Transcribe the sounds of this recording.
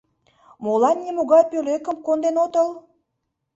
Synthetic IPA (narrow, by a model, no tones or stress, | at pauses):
molɑnːʲemoɣɑjpøløkə̆mkond̪enot̪əl